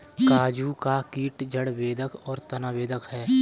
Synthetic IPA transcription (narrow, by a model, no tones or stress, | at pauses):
kaːd͡ʒuːkakiːʈd͡ʒəɽʋeːd̪əkɔːɾt̪ənaːʋeːd̪əkɦɛː